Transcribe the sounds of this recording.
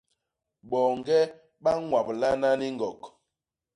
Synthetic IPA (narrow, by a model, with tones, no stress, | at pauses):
ɓɔ˨ŋɡɛ˦ | ɓa˦ŋwa˨p̚la˦na˦ni˦ŋɡɔ˨k